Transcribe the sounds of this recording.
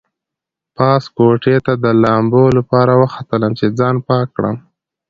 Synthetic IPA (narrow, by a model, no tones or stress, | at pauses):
pɑskoʈet̪ad̪əlɑmbolapɑɾawəxat̪ələmt͡ʃed͡zɑnpɑkːɽə̰m